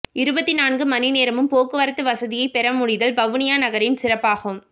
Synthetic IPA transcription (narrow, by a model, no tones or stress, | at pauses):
ɪɾɯbɐt̪ːinaːnɡɯmɐnɪneːɾɐmɯmpoːkɯʋɐɾɐt̪ːɯʋɐsɐðɪjɐɪpɛɾɐmʊɽɪðɐlbɐʋɯnɪjaːnɐɣɐɾɪnsɪrɐpːaːɣɯm